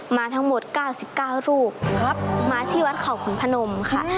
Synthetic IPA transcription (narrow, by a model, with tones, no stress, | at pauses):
maː˧t̪ʰa˦˥ŋmo˨˩t̪̚kaː˥˩wsi˨˩p̚kaː˥˩wɾuː˥˩p̚maː˧t̪ʰiː˥˩wa˦˥t̪̚kʰa˨˩wkʰu˩˦npʰa˧no˧mkʰa˥˩